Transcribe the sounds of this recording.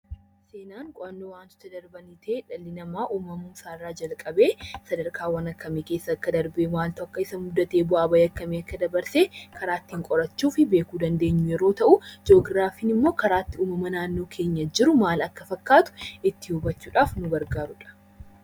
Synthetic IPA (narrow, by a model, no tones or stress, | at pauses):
se̞ːnaːŋkʼɔʔɐnːoːwaːnt̪ʊ̥t̪ɐd̪ɐɾbɐnɪt̪ʰeːᶑɐlːɪnɐmaːʔuːmɐmuːsaːrːaːd͡ʒɐlkʼɐbe̞ːsɐd̪ɐɾkʰʼaːwɐnɐkːɐmeːkeːsːɐːkːɐd̪ɐɾbeːmaːlt̪ɔɐkːɐɪsɐmʊd̪ːɐt̪eːbʊaːbɐjɐkːɐmeːɐkːɐd̪ɐbɐɾseːkʰɐɾaːt̪ːɪːŋkʼɔɾɐt͡ʃːuːfɪbeːkuːd̪ɐnd̪e̞ːɲːʊjɛɾo̞ːt̪ɐʔʊd͡ʒo̞ːɡɾaːfiːnɪmːo̞ːkɐɾaːt̪ːɪuːmɐmɐnaːnːo̞ːkʰe̞ːɲːɐd͡ʒɪɾʊmaːlɐkːɐfɐkːaːt̪ʊ̥ɪt̪ːɪhʊbɐt͡ʃːuːᶑaːfnʊɡɐɾɡaːɾʊᶑɐ̥